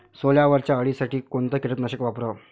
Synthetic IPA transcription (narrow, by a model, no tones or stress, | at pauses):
soljaʋəɾt͡ɕjaəɭisaʈiːkoɳt̪əkiʈ̪ət̪nəɕəkʋapɾə